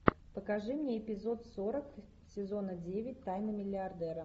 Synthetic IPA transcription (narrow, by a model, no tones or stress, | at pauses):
pəkɐʐɨmnʲeɪpʲɪzo̞t̪soɾək | sʲɪzo̞nədʲevʲɪt̚ʲt̪ajnəmʲɪlʲɪɐrd̪ɛɾə